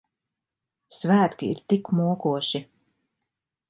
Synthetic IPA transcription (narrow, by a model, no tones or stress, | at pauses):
svæːt̪kʲiḭɾt̪ikmuɔkuɔʃi